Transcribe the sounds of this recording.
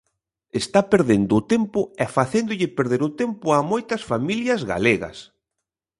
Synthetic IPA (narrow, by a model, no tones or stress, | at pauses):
est̪apeɾðend̪ʊːt̪empʊɛfaθend̪ʊʎɪpeɾðeɾʊt̪empʊamojt̪ɐsfamiljɐzɣa̰leɣɐ̰s